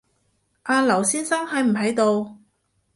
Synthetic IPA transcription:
ʔaː˧lɐ˨˩wsiː˥nsa˥ŋhɐ˨˧˥jm̩˨˩ɦɐ˨˥jt̪o˧w

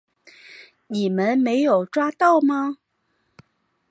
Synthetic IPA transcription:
ni˨˩mə˦˥nme˧˥ɪjo˨˩ʊʈ͡ʂwa˥t̪ɑ˥˩ʊmɐ˧

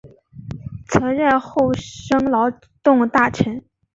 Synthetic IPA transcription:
t͡sʰɤ˧˥nɻə˥˧nxo˥˩ʊʂɤ˥ŋlɑ˧˥ʊ | t̪ʊ˥˧ŋt̪a˥˩ʈ͡ʂʰə˧˥n

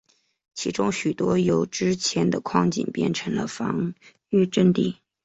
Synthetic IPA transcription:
t͡ɕʰi˧˥ʈ͡ʂʊ˥ŋɕy˨˩t̪wɔ˥jo˨˩ʊʈ͡ʂɻ̩˥t͡ɕʰjɛ˧˥nd̪ə˧kʰwɑ˥˧ŋt͡ɕḭ˨˩npjɛ̰˥˩nʈ͡ʂʰɤ˧˥ŋlə̰˧fɑ̰˧˥ŋ | y˥˧ʈ͡ʂə˥˧nt̪i˥˩

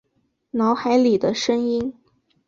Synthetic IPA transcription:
nɑ˧˥ʊxa˧˥ɪli˨˩d̪ə˦ʂɤ˥ŋi˥n

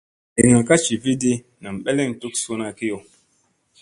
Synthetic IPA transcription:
i˨ŋa˨ka˦t͡ʃi˨vi˦di˦ | na˨m˨ɓe˦le˦˨ŋ˨tu˦ksu˦na˦ki˦jo˨

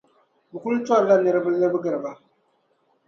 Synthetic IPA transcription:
bɨ˨ku˦lta˦ɾla˦˨nə˨ɾbɨ˦lːə˦bɨ˦ɡə˨ɾba˦

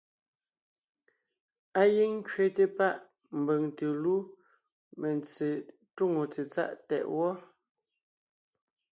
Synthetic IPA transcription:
a˦ji˦ŋŋ˦kɥe˨te˦pa˦ʔ | m̩˨be˨ŋte˨lu˦ | me˨nt͡se˨ | tu˦ŋo˨t͡se˨t͡sa̰˦ʔtɛ̰˨ʔwɔ˦

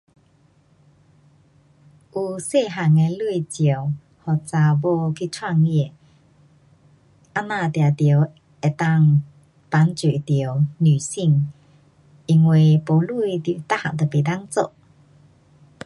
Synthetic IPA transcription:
ʔu˧se˥˧˨ɦa˨˩ŋe˧lu˥˧˨it͡ɕjə˨˩ | hɔ˨t͡sa˧˩bo˧kʰi˧˥˨t͡sʰwa˥˧ŋi˧e˨ | ʔa˧˥nã˥˧˨t̪ja˨˩t̪jə˨˩˦w | e˨˩t̪a˥˧˨ŋ | pa˨˦nt͡swe˨˩t̪jə˨˦wny˨˩si˥˧ŋ | i˧˩ŋwe˨˩po˨˦lu˥˨˧t̪ju˨t̪a˦˥˨ha̰˨ʔ̚t̪ə˨˩pe˨t̪a˦˥ŋt͡so̰˧ʔ

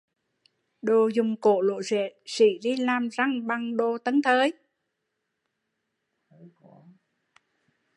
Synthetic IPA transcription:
ɗo˨˩zʊ˨˩ŋ͡mko˧˩˦lo̰˧˨jzɛ̰˧˨sḭ˧˩zi˧laː˨˩mza˧ŋɓa˨˩ŋɗo˨˩t̪ə˨˦nt̪ʰəː˨˦j

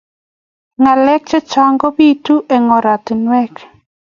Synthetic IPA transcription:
ŋa˨lɛ˦k̚t͡ʃɛ˦t͡ʃa˦ŋɡɔ˦pi˦tu˦ʔɛ˨ŋɔ˨ɾa˨tɪ˨nwɛ˦k

